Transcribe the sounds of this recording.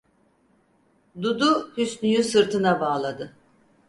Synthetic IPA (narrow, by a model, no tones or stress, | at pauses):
d̪ud̪uhysnyjysɯɾt̪ʰɯnabaːlˠad̪ɯ